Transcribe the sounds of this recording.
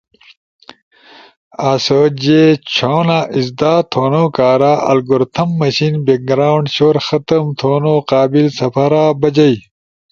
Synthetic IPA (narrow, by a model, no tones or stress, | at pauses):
aːsoːd͡ʑet͡ɕʰoːnaʔizd̪aːt̪ʰoːnoːkaːɾaːʔɐ̰lɡuɾt̪ʰɐmːɐɕinbek̚ɡɾaːwɳɖɕoːɾxɐt̪ɐmt̪ʰoːnoːqaːbilsɐpʰɐɾaːbɐd͡ʑɐj